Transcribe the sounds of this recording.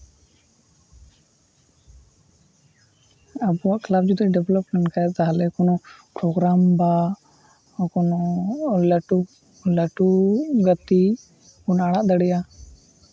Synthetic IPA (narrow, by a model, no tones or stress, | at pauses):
əbuaʔkʰlaːb̚d͡ʒud̪ɖɛʋləpmɛɳʈkazaɦlɛkunopɾoːɡɾaːmba | kunoləʈu | ləʈuɡət̪i | kunaɽaʔd̪əɽija